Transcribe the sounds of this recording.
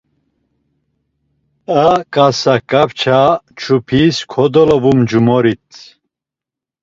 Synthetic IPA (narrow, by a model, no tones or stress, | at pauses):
akʼasakʼapt͡ʃʰat͡ʃʰupʰiskʰɔd̪ɔlɔbumd͡ʒumɔɾit̪ʰ